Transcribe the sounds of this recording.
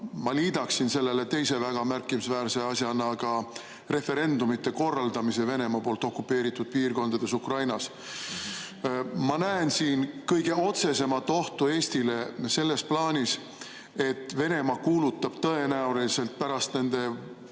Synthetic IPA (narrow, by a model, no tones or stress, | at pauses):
mɑliːd̪̥ɑksinse̞lːe̞le̞t̪e̞jse̞væɡ̥ɑmærkːˑimisvæːɾse̞ɑsjɑnɑɡ̥ɑ | re̞fe̞ɾe̞nd̪̥umit̪ːˑe̞ko̞rːɑld̪̥ɑmise̞ve̞ne̞mɑpo̞ːlt̪ˑo̞kːˑupːˑe̞ːɾit̪ːˑud̪̥̚piːrko̞nd̪ɑd̪̥e̞sukrɑjnɑs | mɑnæensiːnkɤjɡe̞o̞t̪se̞se̞mɑt̪ːˑo̞ht̪ue̞ːst̪ile̞se̞lːe̞splɑːnʲis | e̞t̪ːˑve̞ne̞mɑkuːlut̪ːˑɑb̥t̪ɤ̞e̞næuliise̞lt̪̚pæɾɑst̪ne̞nd̪̥e̞